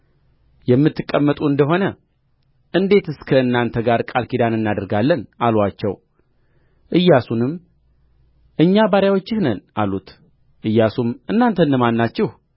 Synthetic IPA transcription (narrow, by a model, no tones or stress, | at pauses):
jɛmːɨt̪ːɨkʼːəmːət̪ʼuɨnd̪əɦo̞nə | ʔɨnd̪e̞t̪ɨskʰəɨnːant̪ʰəɡaɾkʼalkʰid̪anɨnːad̪əɾɡalːənʔalwat͡ʃːɛw | ʔɨjːasunɨm | ʔɨɲːabaɾjawot͡ʃːɪhnənʔalut̪ | ʔɨjːasumɨnːant̪ʰənːəmanːat͡ʃːɪh